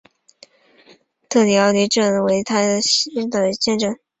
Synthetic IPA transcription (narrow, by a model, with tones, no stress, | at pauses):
t̪ʰɤ˥˩ljɑ˧˥ʊly˧˥ʈ͡ʂə˥˩nwe˧˥ɪt̪ʰa˥ɕi˥nd̪ə˨˩t͡ɕjɛ˥˧nʈ͡ʂɤ˥˩n